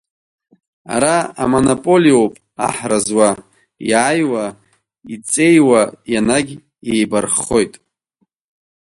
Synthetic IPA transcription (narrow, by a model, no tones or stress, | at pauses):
a̰ɾaa̰monopʼo̞liowpʼ | a̰ħrazwa | jajwa | it͡sʼe̞jwajanaɡʲ | ejbarχo̞jtʼ